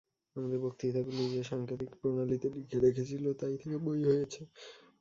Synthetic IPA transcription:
amad̪eɾbok̚t̪it̪ʰaɡulid͡ʑeʃaŋkɾit̪ikpɾonalit̪eɖikʰːeɾekʰet͡ɕʰilot̪ajt̪ʰekebojɦojet͡ɕʰe

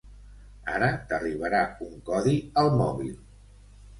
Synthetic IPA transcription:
a̰ɾət̪əriβ̞əɾauŋkɔðiəlˠmɔβḭlˠ

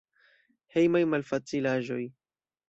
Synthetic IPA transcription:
hejmajmalfat͡silaʒo̞j

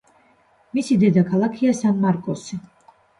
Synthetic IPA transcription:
misid̪ɛd̪akʰalˠakʰiasanmaɾkʼɔsi

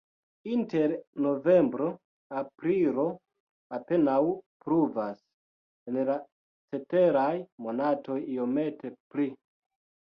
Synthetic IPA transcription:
inte̞ɾno̞ve̞mbɾo̞ | apɾilo̞ | ape̞nawpɾuvas | enla | t͡se̞te̞ɾajmo̞nato̞jio̞me̞tʰe̞pli

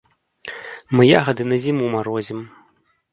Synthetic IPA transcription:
mɨja̰ɣɐd̪ɨnɐzʲimumaɾɔzʲim

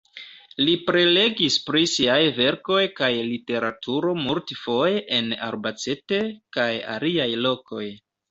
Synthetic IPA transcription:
lipɾe̞le̞ɡispɾisiajve̞ɾko̞jkajlite̞ɾatʰuɾo̞multfo̞jeʔena̰ɾbat͡se̞te̞kaja̰liajlo̞ko̞j

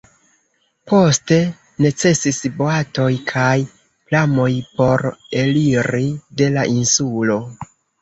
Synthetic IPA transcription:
po̞ste̞ | ne̞t͡se̞sisboato̞jkʰaj | plamo̞jpo̞ɾe̞liɾide̞laʔinsulo̞

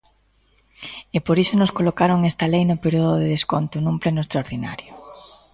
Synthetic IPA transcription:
epoɾiʃonoskolokaɾoŋest̪ɐlejnʊpeɾioðoðeðeskont̪ʊnũŋplenʊest̪ɾaoɾðina̰ɾjo

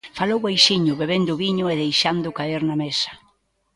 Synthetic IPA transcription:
falowβajʃiɲʊβeβend̪ʊβiɲʊeðejʃand̪ʊkaeɾnɐmesɐ̥

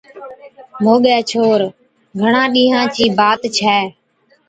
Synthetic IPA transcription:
moːɠɛːt͡ʃʰoːɾ | ɡʱəɳãːɗĩːɦãːt͡ʃiːbaːt̪t͡ʃʰɛː

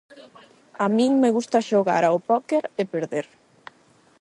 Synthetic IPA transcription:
amĩŋmeɣust̪aʃoɣa̰ɾaopɔkeɾepeɾðeɾ

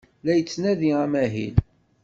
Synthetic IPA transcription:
læjət͡sːnæðiæmæɦḭl

